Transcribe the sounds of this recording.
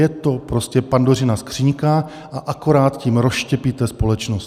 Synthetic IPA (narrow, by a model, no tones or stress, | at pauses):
jɛt̪o̞pɾoscɛpandorɪnaskr̝̥iːɲka | ʔaʔako̞ɾaːt̪ciːmɾosʃcɛpit̪ɛspo̞lɛt͡ʃnost